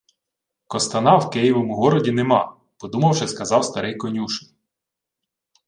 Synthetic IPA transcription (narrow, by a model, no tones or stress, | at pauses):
kɔst̪ɐnɑwkɪjiʋɔmʊɦɔɾɔdʲinemɑ | pɔd̪umɐwʃɛskɐzɑwst̪ɐɾɪjkɔnʲuʃnɪ